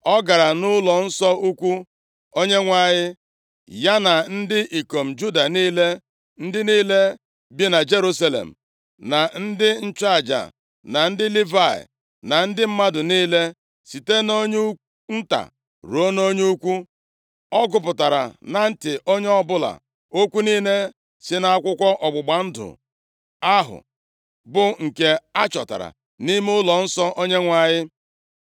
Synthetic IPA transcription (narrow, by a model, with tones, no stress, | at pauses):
ɔ˦ɡa˨ɾa˨nʊ˦lɔ˨n̩˦sɔ˦u˦kʷu˦ | o˦ɲe˦ŋʷa˦˨ɲɪ˦ | ja˦na˨n̩˦dɪ˦ʔi˨ko˨m̩˨d͡ʒu˦da˨niː˦le˦ | n̩˦dɪ˦niː˦le˦ | bi˦na˨d͡ʒe˦ɾu˦sa˦lḛ˨m̩˨ | na˨n̩˦dɪ˦n̩˦t͡ʃa˨d͡ʒa̰˨ | na˨n̩˦dɪ˦li˦va̰˨ | na˨n̩˦dɪ˦m̩˦ma˦dʊ˨niː˦le˦ | si˨te˦no˦ɲu˦ | n̩˦ta̰˨ | ɾo˦no˦ɲe˦u˦kʷu˦ | ɔ˦ɡʊ˨pʊ˨ta˨ɾa̰˨na˨n̩˦tɪ˨ʔo˦ɲe˦ɔ˦bʊ˦la̰˨ | o˦kʷu˦niː˦ne˦ | sɪ˦na˨a˦kʷʊ˦kʷɔ˦ʔɔ˨ɡ͡bʊ˨ɡ͡ba˨n̩˦dʊ̰˨ | a˦ɦʊ̰˨ | bʊ˨ŋ̩˨ke˦a˦t͡ʃɔ̰˨ta̰˨ɾa̰˨ | ni˦m˦ʊ˦lɔ˨n̩˦sɔ˦ʔo˦ɲe˦ŋʷa˨ɲɪ˦